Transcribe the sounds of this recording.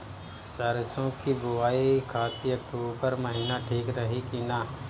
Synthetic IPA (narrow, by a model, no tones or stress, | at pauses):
səɾsõkibʊʋaːikʰaːt̪iɐk̚ʈuːpəɾməɦiːnaʈʰiːkɾəɦikinaː